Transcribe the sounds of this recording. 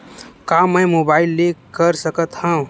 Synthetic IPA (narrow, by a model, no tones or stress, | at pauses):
kaməjmobaːilːekəɾsəkət̪hə̃